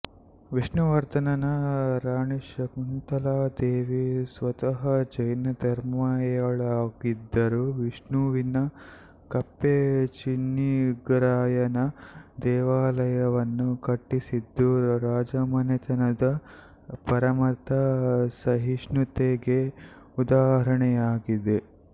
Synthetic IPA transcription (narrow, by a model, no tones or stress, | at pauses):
ʋiʂɳuʋɐɾt̪ɐnɐnɐɾaːɳeʃɐmunt̪ɐlaːd̪eːʋisʋɐt̪ɐɦɐd͡ʒɐjnɐd̪ɐɾmaːjɐɭaːɡid̪ːɐɾuʋiʂɳuːʋinɐ | kɐpːet͡ʃinːiɡɾaːjɐnɐd̪ɛːʋaːlɐjɐʋɐnːukɐʈːisid̪ːuɾaːd͡ʒɐmɐnɐt̪ɐnɐd̪ɐ | pɐɾɐmɐt̪ɐsɐɦiʂnut̪eːɡe | ud̪aːɦɐɾɐɳɛjaːɡid̪e